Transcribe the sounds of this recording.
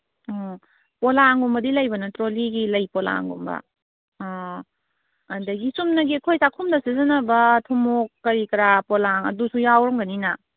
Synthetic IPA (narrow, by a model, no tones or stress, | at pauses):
ɔ | polaŋɡumbɐdilɐjbɐnɐtɾoliɡilɐjpɔla̰ŋɡṵmbɐ̰ | dɐɡisumnɐɡikʰojsakʰumdɐsizɐnɐbɐtʰumokːɐɾikɾapɔlaŋɐ̰dusujawɾɔmɡɐnina